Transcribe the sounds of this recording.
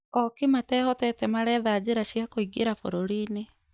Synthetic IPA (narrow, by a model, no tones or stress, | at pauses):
ɔkimatɛːhɔtɛtɛmaɾɛːðaːd͡ʑeɾaɕiakoiɡeɾafoɾoɾiːne